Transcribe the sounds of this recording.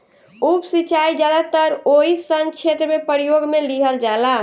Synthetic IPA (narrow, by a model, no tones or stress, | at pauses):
upsit͡ʃajd͡ʒad̪at̪əɾoɦisənt͡ʃʰet̪ɾəmepəɾijoɡmeliɦəld͡ʒala